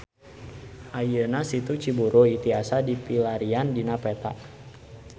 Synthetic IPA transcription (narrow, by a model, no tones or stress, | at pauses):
ʔajənasit̪ut͡ʃibuɾoit̪iasadipilaɾiandinapɛt̪a̰ʔ